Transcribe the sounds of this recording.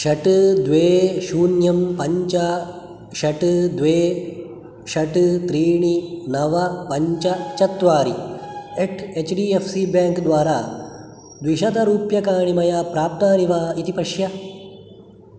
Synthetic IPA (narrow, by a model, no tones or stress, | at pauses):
ʃɐʈd̪ʋeːʃuːnjɐmpɐɲt͡ʃɐ | ʃɐʈd̪ʋeː | ʃɐʈt̪ɾiːɳinɐʋɐpɐɲt͡ʃɐt͡ʃɐt̪ʋaːɾieʈʰet͡ʃɖiːefʰsiːbãːŋkd̪ʋaːɾaː | d̪ʋiʃɐt̪ɐɾuːpjɐkaːɳimɐjaːpɾaːp̚t̪aːniʋaːit̪ipɐʃjɐ